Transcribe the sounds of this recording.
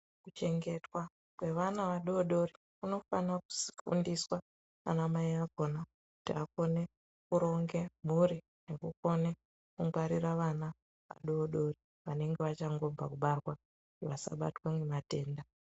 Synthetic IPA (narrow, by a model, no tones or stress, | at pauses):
kut͡ʃe̞ŋɡe̞twa | kwe̞ʋanaʋaɗoɗo̞ri | kuno̞fanaku̥si̥fṵndiswa | a̰namaiako̞na | ku̥tiako̞ne | kuɾo̞ŋɡe̞m̤uri | ne̞kuko̞ne | kuŋɡwaɾiraʋana | ʋa̰ɗoːɗo̞ri | ʋane̞ŋɡeʋat͡ʃaŋɡo̞b͡va̰kuɓarwa | iʋasa̰ɓa̰twamemate̞ːnda